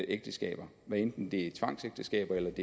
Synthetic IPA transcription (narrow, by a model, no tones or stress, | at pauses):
ʔeɡ̥d̥əsɡ̥ɛ̰ːb̥ɐ | ʋæend̥n̩d̥e̝æt͡sʰʋɑ̈ŋ̰seɡ̥̚d̥əsɡ̥ɛ̰ːb̥ɐelɐd̥e̝